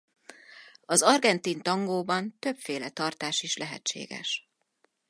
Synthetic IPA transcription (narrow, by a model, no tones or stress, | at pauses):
ɒzɒrɡɛnt̪int̪ɒŋɡoːbɒnt̪ø̞pfeːlɛt̪ɒrt̪aːʃiʃlɛɦɛ̰tt͡ʃḛːɡɛ̰ʃ